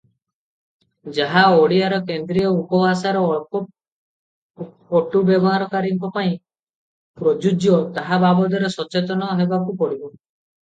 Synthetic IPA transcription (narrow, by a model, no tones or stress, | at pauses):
d͡ʒaɦaoɽiaɾɔkend̪ɾijɔupɔbasaɾɔ | oʈubɔbɔɦaɾɔkaɾiŋkɔpaĩ | pɾɔd͡ʒud͡ʒjɔt̪aɦababɔd̪ɔɾesɔt͡ʃet̪ɔnɔɦebakupɔɽibɔ